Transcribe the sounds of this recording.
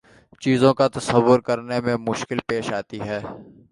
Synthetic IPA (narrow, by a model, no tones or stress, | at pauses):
t͡ʃiːzõkat̪ɐsəʋːʊɾkɐɾnemẽmʊʃkɪlpeːʃaːt̪iɦɛː